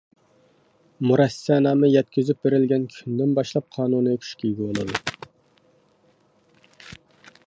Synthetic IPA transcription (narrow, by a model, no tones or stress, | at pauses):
muɾɛsɑnɑːmɛjɛt̪kʲyzyp̚beɾɪlɡʲɛnkʲʰynd̪ɪnbɑʃlˠɑp̚qʰɑːnunɨøkʲʰy̥ʃkʲʰijɡʲɛwolˠɨ̰d̪ṵ